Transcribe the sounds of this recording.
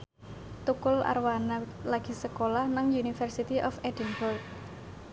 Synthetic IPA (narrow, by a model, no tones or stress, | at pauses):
t̪ukʊla̰rwanalaɡ̥i̤səkolahnaŋjunifərsit̪iʔɔfedənbɔrɡ̚